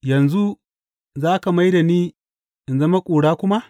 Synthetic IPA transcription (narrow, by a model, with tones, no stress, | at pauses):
jɐ˨nzu˦ | zaː˦ka˨ma˦jda˨niː˦ | ʔɪ˨nzɐ˦ma˦kʷʼuː˨ɽaː˦kʷʊ˦ma˦ʔ